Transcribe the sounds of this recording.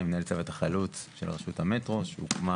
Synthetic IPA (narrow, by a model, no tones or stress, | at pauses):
mnelt͡sevet̪aχalut͡sʃelʁeʃuthamet̪ʁo̞ʃeṵkma